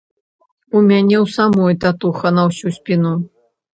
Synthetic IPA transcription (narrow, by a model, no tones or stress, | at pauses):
umʲanʲɛwsamɔjt̪at̪uxɐnɐwsʲusʲpʲinu